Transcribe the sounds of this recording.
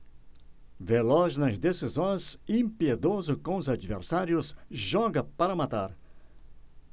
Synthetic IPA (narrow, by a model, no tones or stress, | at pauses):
velɔznɐzd̪esizõj̃zĩpied̪ozʊkõʊzad͡ʒivḛɾsaɾjʊsʒɔɡɐpaɾɐmat̪aɾ